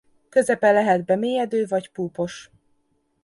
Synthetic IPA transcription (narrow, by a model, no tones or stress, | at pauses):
kø̞zɛpɛlːɛɦɛd̪̚bɛmeːjɛd̪øːvɒɟpuːpo̞ʃ